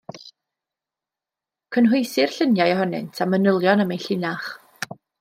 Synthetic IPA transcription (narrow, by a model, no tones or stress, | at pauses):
kʰənɦʊjsɪr̥ɬənjajɔhɔnɪ̰ntʰamənəlˠjɔnəmejɬɪnaχ